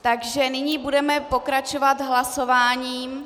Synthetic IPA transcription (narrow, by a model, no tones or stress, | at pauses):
t̪aɡʒɛnɪɲiːbudɛmɛpo̞kɾat͡ʃovat̪ɦlaso̞vaːɲiːm